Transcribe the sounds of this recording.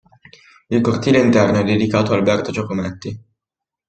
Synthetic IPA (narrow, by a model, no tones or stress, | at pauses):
ilkort̪iːleint̪ɛrnoɛd̪ːed̪ikaːt̪oalbɛrt̪ot͡ʃokomɛt̪ːi